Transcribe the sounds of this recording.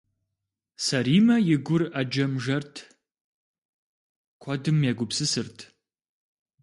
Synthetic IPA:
sɐɾiːmɐjɪɡʷʊrɐd͡ʒɐmʒɐrtʰ | kʷʰɔdɨmjɛɡʷʊpsɨsɨrtʰ

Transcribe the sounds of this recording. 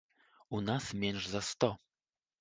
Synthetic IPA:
unasmʲɛnʂzɐst̪ɔ

